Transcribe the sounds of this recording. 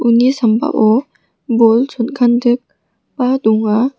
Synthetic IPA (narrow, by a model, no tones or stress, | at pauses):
unisamba̰ʔɔ | bolsɔnkʰandɯk̚ | baduŋa